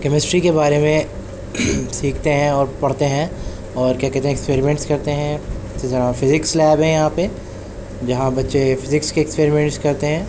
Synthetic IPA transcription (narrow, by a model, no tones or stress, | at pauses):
kɛmɪsʈɾikebaːɾemẽ | siːkʰt̪eɦɛ̃ɔːɾpɐɽ̤t̪eɦɛ̃ | ɔːɾkjakɛːɾt̪eɦɛkspeːɾimɛ̃ɳʈskɐɾt̪eɦɛ̃ | sezaːɾafɪzɪkslɛːbɦɛ̃jɐɦãpe | d͡ʒɐɦãbɐtːʃefɪzɪkskeɛkspeːɾɪmɛ̃ɳʈskɐɾt̪eɦɛ̃ː